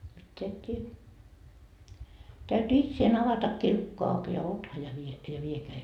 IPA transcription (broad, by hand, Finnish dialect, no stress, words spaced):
mitːeæ et tie tæyty itseːn ɑʋɑtɑkːiː lukːo ɑuk jɑ otɑ jɑ ʋie jɑ ʋiekeæ jɑ